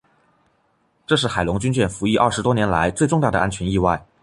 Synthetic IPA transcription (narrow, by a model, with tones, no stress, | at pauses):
ʈ͡ʂɤ˥˧ʂ̬ɻ̩˥˩xa˨˩ɪlʊ˧˥ŋt͡ɕy˥nt͡ɕɥɛ˥˩nfu˧˥i˥˧ʔɐ˞˥˩ʂɻ̩˧˥t̪wɔ˥njɛ˧˥nla̰˧˥ɪt͡swe˥˧ɪʈ͡ʂʊ˥˧ŋt̪ɑ˥˩d̪ə˩ʔa̰˥nt͡ɕʰɥɛ˧˥ni˥˧wa˥˩ɪ